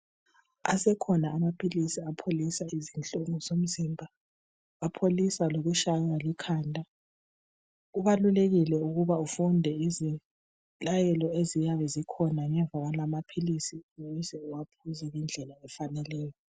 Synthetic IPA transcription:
a̰sɛkʰɔnaːmapʰilisiapʰolisaizint͡ɬʼoŋuzom̩zimbʱa | apʰolisaloɣuʃaɣalikʰaːndʱʼa | uβaluleɣilɛuɣuβaufundʱɛizi | lajɛlɔezijaβɛzikʰɔnaŋɛɱb̪vʱaɣalamapʰilisinouzɛuwapʰuzɛɣind͡ɮʱɛlaɛfanɛlɛːjɔ

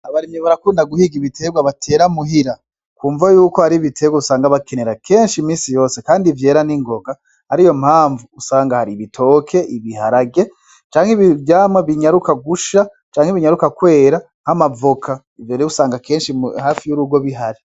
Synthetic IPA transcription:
aβaɾimɲeβaɾakuːndaɡuhiɡiβitʰe̞ɡwaβatʰe̞ːɾamuɦiɾa | kuːɱvajuːkohaɾiβitʰe̞ɡwausaːŋɡaβake̞ne̞ɾakʰe̞ːnʃimiːsijo̞ːse̞kaːndivje̞ːɾaniŋɡo̞ɡa | haɾijo̞mhaːɱvuːsaːŋɡahaɾiβitʰo̞ːkʰe̞iβihaɾaɡe̞ | t͡ʃaːŋhiβivjaːmaβiɲaɾukaɡuʃa | t͡ʃaːŋheβiɲaɾukakwe̞ːɾa | hamavokʰa | ivjoːɾeusaːŋɡake̞ːnʃihaːfijuɾuɡwo̞βiɦaɾi

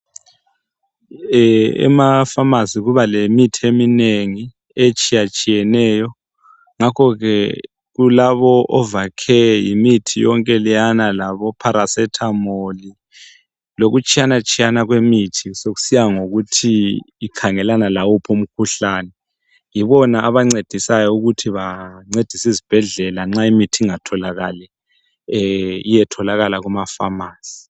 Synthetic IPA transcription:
ɛ̰mafamaziɣuβalemitʰiemineŋi | et͡ʃʼijat͡ʃʼijɛnɛjɔ | ŋakʰɔɣɛ | ɣulaβɔʔɔvakʰɛjimitʰijɔŋkʼɛlijanalaβɔpʰaɾasɛtʰamoli | loɣut͡ʃʼijanat͡ʃʼijanaɣwemitʰisoɣu̥sijaŋoɣutʰiː | kʰaŋɛlanalawɔpʰom̩kʰuɬanɛ | jiβɔnaːβaŋ͡ǀed̥ʱisajɔuɣutʰiβaŋ͡ǀed̥ʱisizib̥ʱɛɮɛlaŋ͡ǁaimitʰiŋatʰɔlaɣa̰lɛ | ijɛtʰɔlaɣalaɣumafa̰maːsi̥

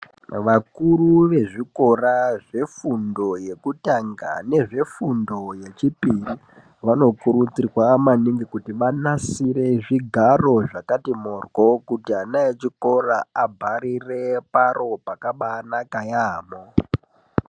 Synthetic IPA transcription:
ʋakuruʋe̞ʐiko̞raʐe̞fundo̞je̞kutaŋɡa̰ne̞ʐe̞fundo̞je̞t͡ʃipiri | ʋano̞kuɾut͡sirwamaniŋɡikutiʋanasiɾe̞ʐiɡʱaro̞ʐakatimorwo̞kutianajet͡ʃiko̞raabʱaɾire̞paro̞pakaɓanakajaːmo

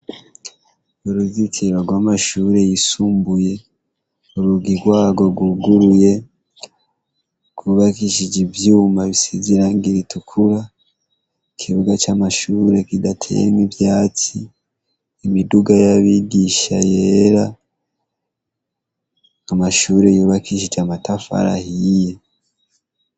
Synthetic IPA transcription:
uɾuzikʰiɾoɡwaːmaʃuːɾe̞jisuːmbuje̞ | uɾuɡiɡwaːɡo̞ɾɡuɡuɾuje̞ | kʰuβakiʃid͡ʒivjuːmaβisiziɾaŋɡiɾitukʰuɾa | ikʰiβuɡat͡ʃaːmaʃuːɾe̞kidatʰḛjḛmivjaːt͡si | imiduɡajaβiɡiʃajeɾa | amaʃuːɾe̞juːβakʰiʃid͡ʒamatafa̰ɾa̰hije

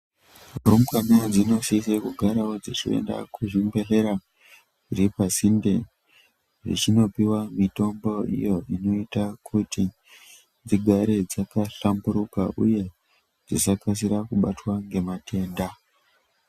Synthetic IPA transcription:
rumkaned͡zino̞sisekuɡʱaɾawod͡zet͡ʃiḛnda̰kʰuʐimbe̞ɬe̞ɾa | iripasinde̞ | ʐḭt͡ʃino̞piwamito̞mbo̞ḭjo̞ino̞itakʰuti | d͡ziɡʱaɾe̞d͡zakaɬambuɾuka̰ʔṵje̞ | d͡zisakas̬iɾakuɓatwaŋɡe̞matʰe̞ːnda

